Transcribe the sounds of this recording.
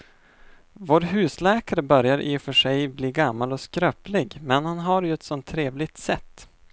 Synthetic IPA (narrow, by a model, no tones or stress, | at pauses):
voːɾɦʉ̟ːslɛːkaɾəbœɾjaɾʔɪ̰fœʂɛjbliːɡamːalɔskɾœːplɪɡmɛnhanɦaɾjɵɛt̪sɔnt̪ʰːɾeːvlɪɡ̚t̪sɛt̪ː